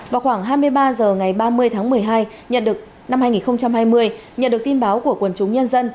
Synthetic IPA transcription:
vaː˨˩wxwaː˧˩ŋɦaː˧jmɨ˧əjɓaː˧zəː˨˩ŋa˨˩jɓaː˧mɨ˧əjt̪ʰaː˨˦ŋmɨ˨˩əjɦaː˧j | ɲə̰˧˨nɗɨ˨˩ək̚ | na˧mhaː˧jŋi˨˩nxə˧wŋ͡mt͡ɕa˧mhaː˧jmɨ˧əj | ɲə̰˨nɗɨ˨˩ək̚t̪i˧nɓaː˨˦wku˧˩əkwə˧˩nt͡ɕʊ˨˦ŋ͡mɲə˧nzə˧n

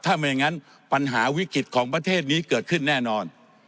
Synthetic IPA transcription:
t̪ʰaː˥˩ma˧jŋa˦˥n | pa˧nɦaː˩˦wi˦˥kɾi˨˩t̪̚kʰɔː˩˦ŋpɾa˧t̪ʰeː˥˩t̪̚niː˦˥kɤː˨˩t̪̚kʰɯ˥˩nːɛː˥˩nɔː˧n

